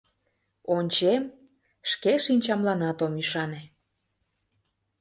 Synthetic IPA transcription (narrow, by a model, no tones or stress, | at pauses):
onʲt͡ɕem | ʃkeʃinʲt͡ɕɑmlɑnɑt̪omyʃɑne